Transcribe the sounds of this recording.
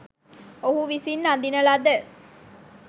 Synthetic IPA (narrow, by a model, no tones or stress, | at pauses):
oɦuʋisinːad̪inəlad̪ə